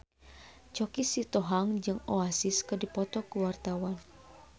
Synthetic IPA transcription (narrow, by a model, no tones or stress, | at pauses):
t͡ʃɔkisit̪oɦaŋd͡ʒɨŋoasiskɨdipɔt̪ɔkuwart̪awan